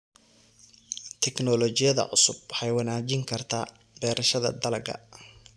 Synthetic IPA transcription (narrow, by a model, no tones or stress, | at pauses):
t̪ʰɛknɔlɔt͡ʃɪjɐðɐ̰ʕʊsʊb̚ħɑjwɐnaːt͡ʃɪŋkʰɐrt̪ʰaː | bɛːɾɐʃɐðɐ̰d̪ɐlɐɡɐ̰